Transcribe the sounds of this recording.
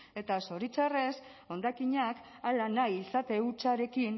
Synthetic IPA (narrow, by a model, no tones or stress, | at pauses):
e̞t̪aso̞ɾit͡sare̞s | o̞nd̪akiɲak | alanajisat̪e̞ut͡ʃaɾe̞kin